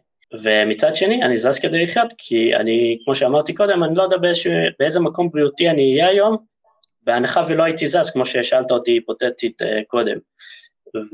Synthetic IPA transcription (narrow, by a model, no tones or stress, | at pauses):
ve̞mit͡sad̪ʃe̞nianizazked̪eliχjo̞t̪kʰia̰nikmo̞ʃeamaʁt̪iko̞d̪e̞manilo̞d̪abeezʃibeezemako̞mbʁiut̪ianiːjeajo̞m | veanaχavilo̞ait̪izazkmo̞ʃeʃaalt̪aot̪iipo̞t̪et̪it̪ḛko̞d̪e̞̰m